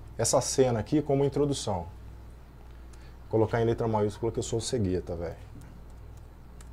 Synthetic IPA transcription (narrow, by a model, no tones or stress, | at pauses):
ɛsɐsẽnɐakikõmʊĩt̪ɾod̪usɐ̃w̃ | kolokaẽlet̪ɾɐmajuskulɐkɪewsoseɡiɐt̪ɐvɛj